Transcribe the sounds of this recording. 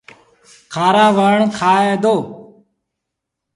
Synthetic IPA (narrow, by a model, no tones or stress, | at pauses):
kʰaːɾaːʋəːɳkʰaːeːd̪oː